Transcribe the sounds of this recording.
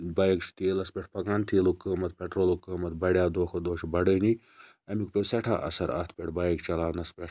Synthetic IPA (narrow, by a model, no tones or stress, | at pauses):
baːjekt͡ʃʰt̪iːlɐspʲeʈʰpɐkaːnt̪ʰiːlukːəːmɐt̪̚pʲeʈɾoːlukəːmɐt̪bɐɽʲjaːd̪oːxɐd̪oːʃibɐɖəːni | ɐmikpʲesɐʈʰa̰ːʔɐ̰sɐɾa̰ːt̪ʰpʲeʈʰbaːjekt͡ʃɐlaːnɐspɾɐ